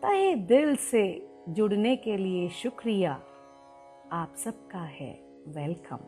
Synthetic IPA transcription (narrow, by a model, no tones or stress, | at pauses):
t̪ɐɦed̪ɪlse | d͡ʒʊɽnekelieʃʊkɾija | aːpsɐb̚kaɦɛ̰ː | ʋɛlkə̰̃m